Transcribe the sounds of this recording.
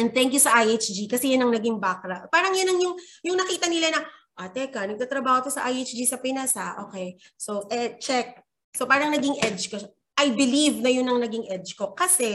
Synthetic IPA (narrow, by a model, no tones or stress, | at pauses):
ʔɛnd̪̚t̪ɛŋk̬jusɐʔajʔet͡ʃd͡ʒikɐsɛjɐnɐŋnɐɡɪŋbakɾɐʔpaːɾɐŋjɐnɐŋjʊŋjʊŋnɐkiːt̪ɐnɪlanɐʔat̪ɛkɐnɐɡ̚t̪aːt̪ɾɐbaːhot̪osɐʔajet͡ʃd͡ʒisɐpɪnasaʔo̞ːkɛj | soʔɛt͡ʃɛk̚ | sopaːɾɐŋnɐɡɪŋʔɛd͡ʒko | ʔɐjbɪlivnɐjʊnɐŋnɐɡɪŋʔɛd͡ʒko̞kɐsɛ